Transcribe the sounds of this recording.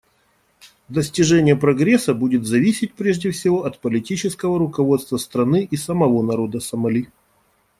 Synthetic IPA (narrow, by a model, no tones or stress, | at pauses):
d̪əsʲtʲɪʐɛnʲɪjəpɾɐɡɾʲesːəbudʲɪt̪zɐvʲisʲɪt̚ʲpɾʲeʐdʲɪfsʲɪvo̞ʔɐt̪pəlʲɪtʲit͡ɕɪskəvəɾʊkɐvo̞t̪st̪vəst̪ɾɐnɨʔisəmɐvo̞nɐɾo̞d̪əsəmɐlʲi